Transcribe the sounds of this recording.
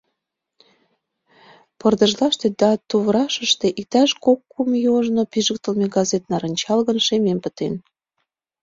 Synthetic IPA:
pərd̪ə̆ʒlɑʃt̪ed̪ɑt̪uβɾɑʃəʃt̪eʔik̚t̪æʃkokːumjoʒnopiʒək̚t̪ə̆lmeɡɑzet̪̚nɑɾə̆nʲt͡ɕɑlɣənʃemempət̪en

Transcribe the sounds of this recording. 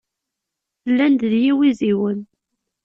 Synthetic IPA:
lːænd̪ðjiwiziwən

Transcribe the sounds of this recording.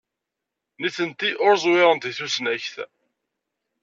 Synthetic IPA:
niθənt̪iʔʊɾzˤwɪʁənt̪iθusnæçθ

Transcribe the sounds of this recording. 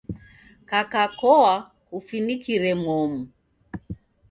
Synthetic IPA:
kakakɔa | kufinikiɾɛmɔmu

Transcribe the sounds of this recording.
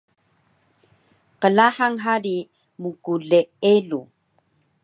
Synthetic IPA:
qəlaħaŋɦaɾi | mukuɮeelu

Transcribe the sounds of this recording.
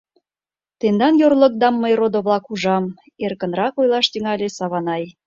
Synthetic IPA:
t̪end̪ɑnjorlək̚d̪ɑmːəjrod̪oβlɑkuʒɑm | erkə̆nɾɑkojlɑʃt̪yŋɑlʲesɑβɑnɑj

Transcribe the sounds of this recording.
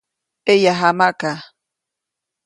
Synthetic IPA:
ejaɦamaʔka

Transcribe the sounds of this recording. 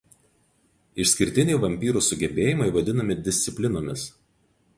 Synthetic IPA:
ɪʃʲsʲkʲɪɾʲt̪ʲɪnʲɛɪʋɐmʲpʲiːɾʊsʊɡʲɛbʲeːjɪmɐɪʋɐd̪ʲɪnɐmʲɪd̪ʲɪsʲt̪sʲɪpʲlʲɪnoːmʲɪs

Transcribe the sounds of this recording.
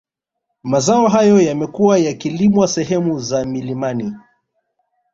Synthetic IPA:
mazaɔɦajɔjamɛkuwajakilimwasɛɦɛmuzamilimani

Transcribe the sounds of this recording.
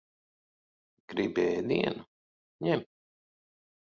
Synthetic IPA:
ɡ̥ɾibɛːd̪ḭɛnu | ɲɛm

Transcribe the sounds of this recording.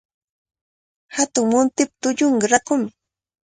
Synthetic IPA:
hat̪ʊŋmʊnt̪ɪp̚t̪ʊʎʊɴɢɑɾakʊmɪ

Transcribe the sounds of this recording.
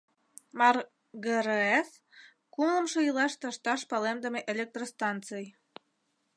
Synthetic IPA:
mɑr | ɣəɾəes | kumlə̆mʃoilɑʃt̪ɑʃt̪ɑʃpɑlemd̪ə̆meʔelʲek̚t̪rost̪ɑntt͡sɨj

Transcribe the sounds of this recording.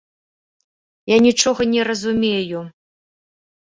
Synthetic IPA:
janʲit͡ʂɔɣɐnʲɛɾɐzumʲeju

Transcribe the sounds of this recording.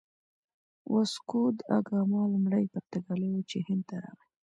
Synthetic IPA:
wʔaskud̪a̰ɡɑmɑlmɽəjpəɾt̪aɡalewut͡ʃehɪnd̪̚t̪aɾɑ̰ɣi

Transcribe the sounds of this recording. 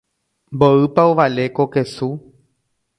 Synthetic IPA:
mboɨpaoʋalekokesu

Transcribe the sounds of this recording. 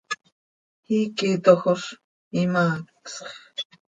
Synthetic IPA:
hiːkit̪oxoʃ | imaːksχ

